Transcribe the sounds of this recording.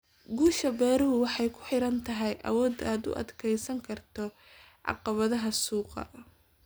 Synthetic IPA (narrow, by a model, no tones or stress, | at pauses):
ɡuːʃɐbɛːɾɐɦʊwɑħɑjkʰʊ̥ħɪɾɐnt̪ʰɐɦɛjʔɐ̰wɔːd̪aːd̪ʊ̰ʔɐ̰d̪kʰɛjsɐŋkʰɐrt̪ʰɔ | ʕɑ̰qɑβɐðɐɦɐsuːqɑ̰